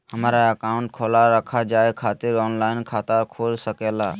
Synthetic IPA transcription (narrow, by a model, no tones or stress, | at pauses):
həmaɾaəkaʊ̃ɳʈ̚kʰolaɾəkʰad͡ʒaːekʰaːt̪iɾɔːnlaɪnkʰaːt̪əɾkʰoːlsəkela